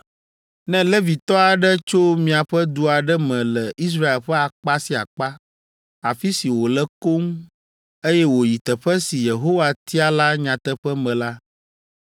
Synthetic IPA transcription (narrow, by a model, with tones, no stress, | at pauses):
nɛ̃˦lɛ˦vi˨t̪ɔ˦a˨ɖɛ˦t͡ʃo˦mĩ˨a˨ɸɛ˦d̪u˨a˨ɖɛ˦mɛ̃˨lɛ˨ʔi˦s̬ɾa˦e˨lɸɛ˦a˨k͡pa˦si˨a̰˨k͡pa˦ | a˨fi˦si˨wo˨lɛ˦ko˦ŋ˦ | e˦jɛ˦wo˨ji˨t̪ɛ˨ɸɛ˦si˨je˨ɦo˦wa˨t̪i˦a˦la˦ɲã˨t̪ɛ˦ɸɛ˦mɛ̃˨la˦